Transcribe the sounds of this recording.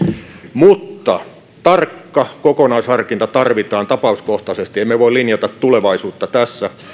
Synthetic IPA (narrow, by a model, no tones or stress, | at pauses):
mut̪ːɑ | t̪ɑrkːɑkokonɑishɑrkint̪ɑt̪ɑrʋit̪ɑːnt̪ɑpɑuskoht̪ɑsest̪iemːeʋoilinjɑt̪ɑt̪t̪uleʋɑisuːt̪ːɑt̪æsːæ